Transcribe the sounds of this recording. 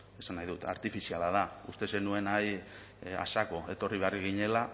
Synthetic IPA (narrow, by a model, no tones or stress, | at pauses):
e̞sanːajðut̪a̰ɾt̪ifisialaðaust̪e̞se̞nue̞naj | a̰sako̞e̞t̪o̞riβe̞ariɣ̞iɲe̞la